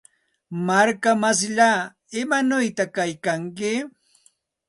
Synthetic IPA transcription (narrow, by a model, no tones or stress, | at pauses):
maɾkamas̬ʎaː | ɪmanʊjt̪akajkaŋkɪ